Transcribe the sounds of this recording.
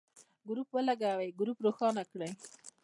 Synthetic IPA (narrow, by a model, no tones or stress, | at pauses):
ɡɾupwəlaɡawəjɡɾupɾoxɑnakɽəj